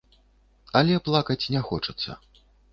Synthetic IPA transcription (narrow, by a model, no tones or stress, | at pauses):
ɐlʲɛplˠakɐt͡sʲnʲɛxɔt͡ʂɐt̪sːɐ̰